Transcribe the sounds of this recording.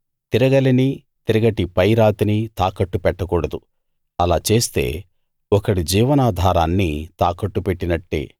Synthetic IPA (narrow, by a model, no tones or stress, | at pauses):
t̪iɾɐɡɐlini | t̪iɾɐɡɐʈipɐjɾaːt̪init̪aːkɐʈːupɛʈːɐkuːɽɐd̪u | ɐlaːt͡ʃe̞ːst̪e̞̰ː | ɔkɐɽid͡ʒiːʋɐnaːd̪ʱaːɾaːnːit̪aːkɐʈːupeʈːinɐʈːḛː